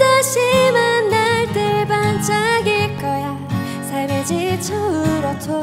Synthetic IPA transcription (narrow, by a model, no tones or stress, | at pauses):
daɕimanːaɭtebant͡ɕaɡek͈ʌja | sʰamed͡ʑit͡ɕʰoɯɾʌtʰo